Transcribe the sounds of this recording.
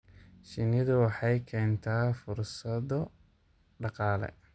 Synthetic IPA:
ʃɪnɪðʊwɑħɑjkʰɛːnt̪ʰaːfʊrsɐðɔ | ɖɑqɑːlɛ̰

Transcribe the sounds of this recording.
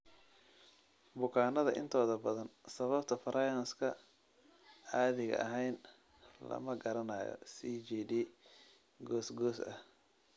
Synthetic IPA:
bʊkʰaːnɐðɐʔɪ̰nt̪ʰɔːðɐbɐðɐnsɐβɐbt̪ʰɐfɐɾʔɐjɐnskʰɐ | aːðɪɣɐ̰ʔɐɦɛjn | lɐ̰mɐɡɐɾɐnaːjɔ̰sit͡ʃɛːdɛ | ɡɔːsɡɔːsɐh

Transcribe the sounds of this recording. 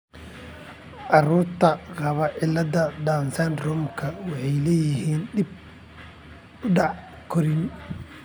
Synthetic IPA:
ʔɑɾuːrt̪ʰɐqɑβɐʕɪlɐd̪ɐd̪aːnsɛnd̪rɔmkʰɐwɑħɑjlɛːjɪɦiːndɪb̚ | ʊɖɑʕ | kʰɔɾɪn

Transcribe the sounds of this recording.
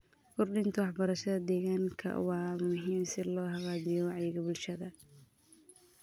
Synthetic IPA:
kʰʊrɖɪnt̪ʰɐwɑħbɐɾɐʃɐðɐd̪ɛːɣaːŋkʰɐ̰wɑːmʊɦiːmsɪlɔːhɑqɑːd͡ʒɪjɔwɑʕjɪɣɐbʊlʃɐðɐ

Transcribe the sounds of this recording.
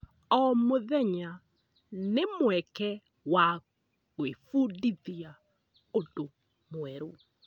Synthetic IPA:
ɔmoðɛɲa | nemwɛkɛ | wa | ɣwefudiðia | odo | mwɛɾo

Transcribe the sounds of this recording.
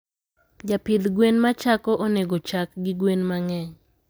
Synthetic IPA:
d͡ʒapɪd̪ɡwenmat͡ʃakɔʔoneɡot͡ʃakɡɪɡwenmaŋɛɲ

